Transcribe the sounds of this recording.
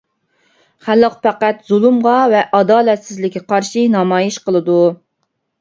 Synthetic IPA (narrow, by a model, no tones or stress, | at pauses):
χælːəqpʰæqæt̪z̥ulˠumʁɑvɛʔɑd̪ɑːlɛt̪sɪzlɪkʲːɛqɑɾʃinɑmɑːjiʃqəlˠɨd̪u